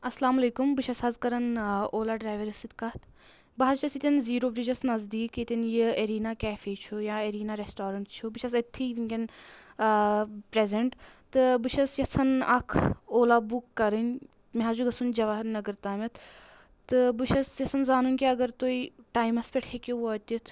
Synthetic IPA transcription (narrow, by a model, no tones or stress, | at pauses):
ɐslaːmɐleːkumbɨʃɐshɐzkɐɾɐnoːlaːɖɾaːjʋɐɾɐsit̪kɐt̪ʰ | bɐɦɐɾt͡ʃʰɐsit̪ʲinziːɾoːbɾid͡ʒɐsnɐzd̪iːkit̪ʲɐnjiɐɾiːnakɛːfeːt͡ʃʰujaːɐɾiːnaɾesʈaːɾɐɳʈt͡ʃʰubɨʃʰɐs̬ɐt̪ʰːiːʋiŋkʲɐn | pɾezeɳʈt̪ɨbɨʃɐsjɐsɐnɐkʰoːlaːbukːɐɾɨnʲ | meɦaːd͡ʒuɡɐsund͡ʒɐʋaːɦɐɾnɐɡɐɾt̪aːmʲɐt̪ʰ | t̪ɨbɨʃɐsjɐsɐnzaːnunʲkʲeɐɡɐɾt̪oiʈaːjmɐspeʈʰkʰekʲeʋoːt̪ʲit̪ʰ